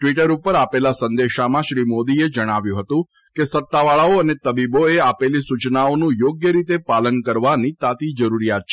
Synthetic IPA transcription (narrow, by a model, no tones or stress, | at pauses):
ʈʋiʈəɾupəɾapelasənd̪eʃamãʃɾimod̪ied͡ʒəɽ̃aʋjũɦət̪ũ | kesət̪ːaʋaɭaoənet̪əbiboeapelisut͡ʃnaonũjoɡjəɾit̪epalənkəɾʋanit̪at̪id͡ʒəɾuɾijat̪̚t͡ʃʰe